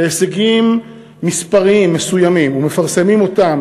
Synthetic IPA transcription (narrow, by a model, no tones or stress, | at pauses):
eːseɡimː | ispaʁimːesujamimume̞faʁse̞mimo̞t̪am